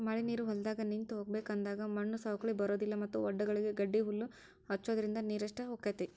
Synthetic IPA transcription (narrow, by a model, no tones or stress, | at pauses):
mɐɭiniːɾuɦɔld̪aːɡɐnint̪uɦoːɡ̚beːkɐnd̪aːɡɐmɐɳːusaːɦɐkɐɭibɐɾoːd̪ilːɐmɐt̪ːuɔɖːɐɡɐɭiɡeɡɐɖːiɦulːu | ɦɐt͡ʃːoːd̪ɐɾind̪ɐniːɾɐʂʈɐɦoːkːɐt̪e